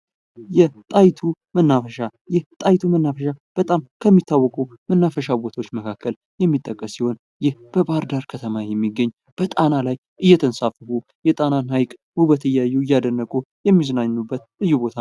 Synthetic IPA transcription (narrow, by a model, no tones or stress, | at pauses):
jɛt̪ʼajt̪ʰumənːafəʃajɛht̪ʼajt̪ʰumənːafəʃab̥ət̪ʼamkʰəmːit̪ʰːawːɔkʼumənːafəʃabo̞t̪ʰawot͡ʃːməkʰakʰːəl | jɛmːit̪ʼːəkʼːəsiho̞n | jɪhb̥əbaɾd̪aɾkʰət̪ʰəmajɛmːiɡːəɲː | b̥ət̪ʼanalaj | ʔɨjːɛt̪ʰənsafəhu | jɛt̪ʼananhajkʼhubət̪ʰəjːajuɨjːad̪ənːəkʼu | jɛmːizənaɲnubːət̪̚lɨjːubo̞t̪ʰa